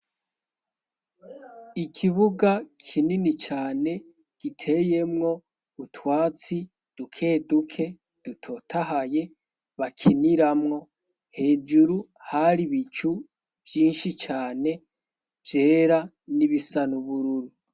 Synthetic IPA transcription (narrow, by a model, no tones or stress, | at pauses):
ikʰiβuɡakʰininit͡ʃaːne̞ | ɡ̥itʰe̞je̞mŋo̞ | utwaːt͡si | d̥ukʰe̞dukʰe̞ | d̥utʰo̞tʰaɦaje̞ | βakʰiniɾamŋo̞ | he̞ːd͡ʒuɾu | haɾiβit͡ʃu | v̥jiːnʃit͡ʃaːne̞ | vje̞ːɾa | niβisanuβuɾuɾu